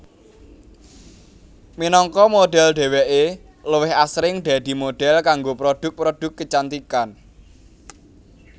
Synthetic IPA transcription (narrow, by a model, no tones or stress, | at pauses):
minɔŋkɔmoɖ̥ɛlɖ̪ɛ̤wɛʔe | ləwɪhasɾɪŋɖ̪̥a̤d̪̥i̤moɖ̥ɛlkaŋɡopɾod̥ʊk̚pɾod̪̥ʊ̤kːət͡ʃant̪ikan